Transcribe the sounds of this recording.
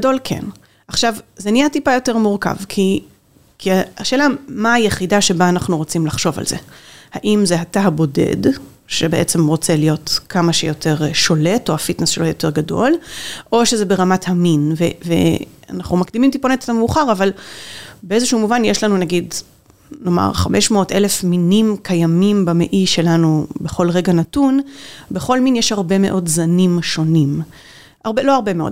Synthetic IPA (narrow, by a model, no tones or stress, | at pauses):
do̞lkʰe̞̰n | aχʃavzeniatipajo̞te̞ʁmuʁka̰vkʰi | kʰiaaʃeːlamaːjeχidaʃe̞baːnaχnuʁo̞t͡simlaχʃo̞va̰lze̞̰haʔimzeɦataɦabo̞de̞̰d | ʃebe̞ʔet͡se̞mʁo̞t͡selijo̞tkʰamaʃejo̞tʰe̞ʁʃo̞le̞to̞afitnesʃelojo̞te̞ʁɡado̞lʔo̞ʃezebeʁamathaminvevḛa̰naχumakdimimt̪iponete̥tameuχaʁaval | beezeʃuumuvanjeʃlanunaɡid | no̞ma̰ʁχame̞ʃmo̞ːtʔele̞fminimkʰajamimbameʔiʃe̞lanubeχo̞lʁe̞ɡanatunbeχo̞lminjeʃhaʁbe̞me̞ʔo̞dzanimʃo̞nim | aʁbelo̞aʁbe̞meo̰d